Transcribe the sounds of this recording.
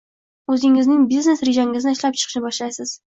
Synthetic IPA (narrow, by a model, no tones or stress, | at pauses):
ɵzɪŋɪznɪŋbizne̞sɾeʒaŋɡʲɪzɪnɪɪʃlap̚t͡ʃʰɨ̥qʰɨʃnɪbɒʃlajsɪz̥